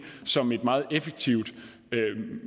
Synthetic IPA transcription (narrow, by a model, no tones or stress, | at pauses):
sɒ̽me̝d̥mɑ̈ːð̞̩ˠefeɡ̥̚t͡sʰiʊ̰d̥ | ø